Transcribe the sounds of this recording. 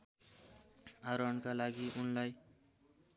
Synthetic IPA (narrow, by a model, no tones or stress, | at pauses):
aɾʌnkalaɡiʔunlaj